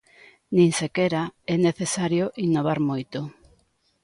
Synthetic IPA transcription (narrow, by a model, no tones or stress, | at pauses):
nĩŋsekɛɾaɛneθesaɾjoʔinːoβ̞aɾmojt̪ʊ